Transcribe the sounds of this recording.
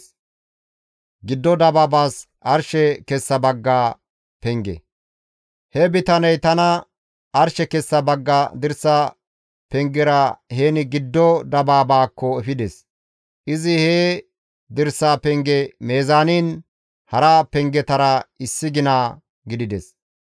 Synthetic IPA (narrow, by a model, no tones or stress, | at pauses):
ɡɪd̪ːɔd̪ɐbaːbaːs | ʔɐɾʃɛkɛsːɐbɐɡːaː | pɛŋɡɛ̰ | hɛbɪt̪ɐnɛjt̪ɐnɐ | ʔɐɾʃɛkɛsːɐbɐɡːad̪ɪɾsːa | pɛŋɡɛɾɐheːnɪɡɪd̪ːɔd̪ɐbaːbaːkːɔɛfɪd̪ɛs | ʔɪzɪheː | d̪ɪɾsːaːpɛŋɡɛmeːzaːniːn | hɐɾapɛŋɡɛt̪ɐɾɐɪsːɪɡɪnaː | ɡɪd̪ɪd̪ɛs